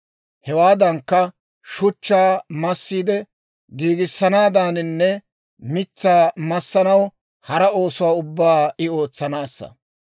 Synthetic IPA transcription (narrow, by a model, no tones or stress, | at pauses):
hɛwaːd̪ɐŋkːɐ | ʃʊt͡ʃːaːmɐsːiːd̪ɛ | ɡiːɡɪsːɐnaːd̪aːnɪnːɛ | mɪt͡sːaːmɐsːɐnɐw | hɐɾɐo̞ːsʊwaːʊbːaːɪo̞ːt͡sːɐnaːsːɐ̰